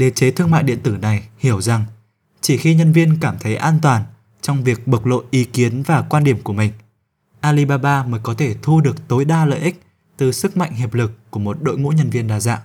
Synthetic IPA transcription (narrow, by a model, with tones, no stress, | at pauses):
ɗe˨˦t͡ɕe˨˦t̪ʰɨ˧əŋma̰ː˧˨jɗḭ˧˨ənt̪ɨ˧˩na˨˩jhi˧˩əwza˨˩ŋ | t͡ɕi˧˩xi˧ɲə˧nvi˧ənkaː˧˩mt̪ʰə˨˦jʔaː˧nt̪waː˨˩n | t͡ɕɔ˧wŋ͡mvi˨˩ək̚ɓə˨˩k̚lo̰˧˨jʔi˨˦ki˨˦ənvaː˨˩kwaː˧nɗi˧˩əmku˧˩əmï˨˩ŋ̟ | ʔaː˧li˧ɓaː˧ɓaː˧məː˨˦jkɔ˨˦t̪ʰe˧˩t̪ʰu˧ɗɨ˨˩ək̚t̪o˨˦jɗaː˧lə̰ː˧˨jʔï˦˥k̟̚ | t̪ɨ˨˩sɨ˦˥k̚ma̰˧˨jŋ̟ɦi˨˩əp̚lɨ˨˩kːu˧˩əmo˨˩t̚ɗo̰˧˨jŋṵ˧˥ɲə˧nvi˧ənɗaː˧za̰ː˧˨ʔ